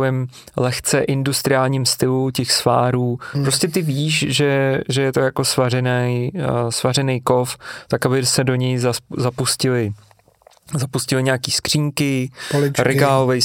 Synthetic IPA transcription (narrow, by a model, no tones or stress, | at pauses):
jɛm | lɛxt͡sɛʔɪndust̪ɾɪaːlɲiːmst̪ɪlucɛxsva̰ːɾuːpɾoscɛt̪ɪviːʃʒɛʒɛjɛt̪o̞jako̞svarɛnɛjsvarɛnɛjko̞ft̪akabɪsɛdo̞ɲɛjzazapuscɪlɪ | zapuscɪlɪɲaːkiːskr̝̥iːŋkɪlɪt͡ʃɾʔɛɡaːlovɛj